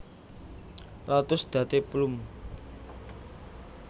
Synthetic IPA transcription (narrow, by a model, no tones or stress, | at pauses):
lat̪ʊsd̪̥ä̤t̪eplum